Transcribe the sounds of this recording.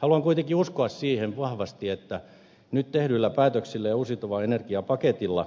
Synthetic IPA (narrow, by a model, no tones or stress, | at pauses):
hɑluɑŋkuit̪ekiuskoɑssiːheʋʋɑhʋɑst̪iet̪ːæ | nyt̪t̪ehdylːæpæːt̪øksilːejɑusit̪oʋɑenerkiɑpɑket̪ilːɑ̰